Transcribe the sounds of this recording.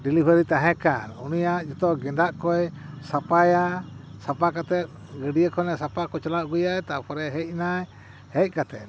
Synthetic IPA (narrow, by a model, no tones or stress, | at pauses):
dilibəɾit̪aɦɛ̃kanṵnujaʔd͡ʒɔt̪ɔɡɛndaʔkɔjsapajasapakat̪ɛt̪̚ | ɡəɖiəkʰɔnɛsapakɔt͡ʃɔlaʔɡujajt̪apʰɔɾɛɦɛʔnaj | hɛj̚kat̪ɛt̪̚